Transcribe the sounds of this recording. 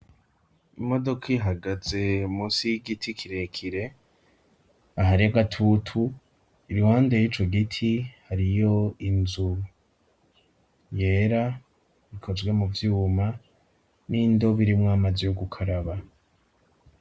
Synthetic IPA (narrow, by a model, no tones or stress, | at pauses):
imo̞do̞kʰaɦaɡaze̞muːsijiɡitʰikʰiɾe̞kʰiɾe̞ | aɦaɾijaɡatʰutʰu | iɾuhaːndejiːt͡ʃo̞ɡitʰihaɾijo̞inzu | je̞ːɾa | βikʰo̞zɡwe̞muvjuːma | nindo̞βiɾimŋaːmazijoɡukʰaɾaβa